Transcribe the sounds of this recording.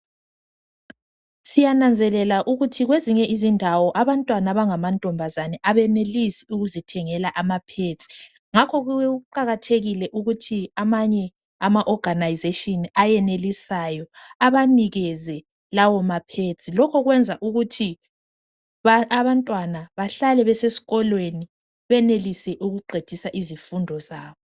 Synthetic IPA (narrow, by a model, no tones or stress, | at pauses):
sijanand͡zʱɛlɛlaʔuɣutʰiɣweziɲɛʔizindʱawɔʔaβantʼwanaβaŋamantʼɔmbʱazanɛʔaβɛnelisiuɣuzitʰɛŋɛlaʔamapʰet͡sʼi̥ | ŋakʰɔɣuuǃaɣatʰeɣilɛʔuɣutʰiamaɲɛ | amaʔɔɡ̥anajizetʼiniajɛnelisajɔaβaniɣɛzɛ | lawɔmapʰet͡sʰʼilɔkʰɔɣwɛnd͡zʱaʔuɣutʰi | βantʼwanaβaɬalɛβɛsesi̥ɣɔlweni | βɛnelisɛʔuɣuɡ͡ǃʱed̥ʱisaʔizifundʱɔzaːβɔ